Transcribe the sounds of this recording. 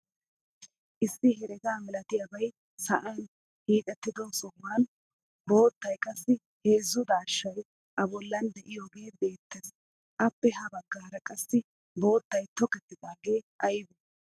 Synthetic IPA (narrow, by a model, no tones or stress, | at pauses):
ʔɪsːɪɦɛɾɛɡaːmɪlɐt̪ɪjɐbɐj | sɐʔan | hiːt̪ʼɛt̪ːɪd̪ɔsɔmːan | bo̞ːt̪ːɐjkʼɐsːɪ | heːzːʊd̪aːʃːɐj | ʔɐbɔlːɐnd̪ɛʔɪjoːɡe̞ːbe̞ːt̪ːes | ʔɐpːɛɦɐbɐɡːɐɐɾɐkʼɐsːɪ | bo̞ːt̪ːɐjt̪ɔkɛt̪ːɪd̪aːɡe̞ːʔɐjbu